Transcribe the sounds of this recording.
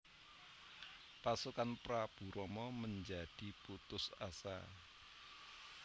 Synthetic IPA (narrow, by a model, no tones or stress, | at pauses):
pasukanpɾab̥ṳɾɔmɔməɲd͡ʒad̥i̤put̪ʊsa̰sa̰